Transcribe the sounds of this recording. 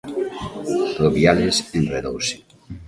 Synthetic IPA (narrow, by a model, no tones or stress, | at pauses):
t̪ɾoβjalesenreðowsi̥